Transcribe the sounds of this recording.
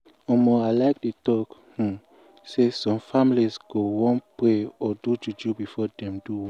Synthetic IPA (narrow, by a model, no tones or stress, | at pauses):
ɔmɔalaɪk̚detɔkhũ | sesɔ̃mfamilizɡ̥owɔ̃npɹeɔdud͡ʒud͡ʒubifɔdɛ̃mduwɔ̃